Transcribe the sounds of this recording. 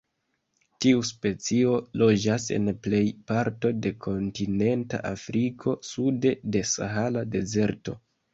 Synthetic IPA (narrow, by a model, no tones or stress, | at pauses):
tiuspe̞t͡sio̞lo̞d͡ʒase̞̰nple̞jpaɾto̞de̞kʰo̞ntine̞nta̰ʔafɾikʰo̞sude̞de̞sa̰ɦalade̞ze̞ɾto̞̰